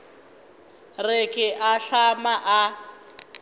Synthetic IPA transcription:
rɪkʼɪʔaɬamaʔa

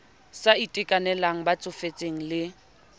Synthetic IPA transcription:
saitʼɪkʼanɛlaŋ̩bat͡sʼʊfet͡sʼeŋ̩lɪ

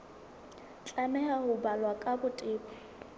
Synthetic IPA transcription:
t͡ɬʼamɛhahʊbalwakʼabʊtʼɪːkɔ

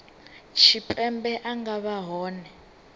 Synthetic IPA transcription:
t͡ʃʰipʼɛmbɛʔaŋɡaβaɦɔːnɛ

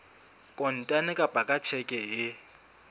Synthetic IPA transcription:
kʼɔn̩tʼanɪkʼab̥ʱʼakʼat͡ʃʰɛkʼɛɪ

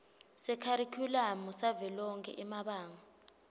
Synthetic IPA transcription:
sɛkʰaɾikʰulamusavɛlɔŋkʰʼɛ̰ʔɛmaɓaːŋa

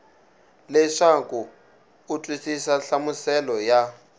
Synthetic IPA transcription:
lɛʂaku | utʼwisisaɬamusɛlɔja

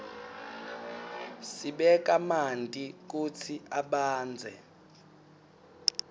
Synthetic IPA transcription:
siɓɛk̬ʼamantʼik̬ut͡sʰiaɓaːnd͡zʱɛ̰

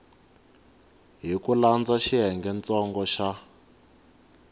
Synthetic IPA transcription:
ɦikuland͡zaʃiɦɛŋɡɛnt͡sɔŋɡɔʃa

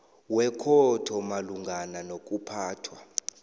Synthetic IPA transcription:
wɛkʰɔtʰɔmaluŋɡʱananokʼupʰaːtʰwa

